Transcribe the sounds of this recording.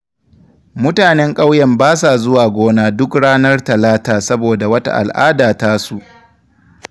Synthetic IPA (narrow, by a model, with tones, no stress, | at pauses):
mʊ˦taː˨nɛ˦ŋkʼa˦wjɛ˨mbaː˦s̬a˨zʊ˦waː˨ɡʷoː˦naː˦dʊ˦kɽaː˦nɐ˦rtɐ˨laː˦taː˨sɐ˦boː˨da˨wɐ˦ta̰˦ʔa̰˨lʔa̰ː˦daː˨taː˦su˨ʔ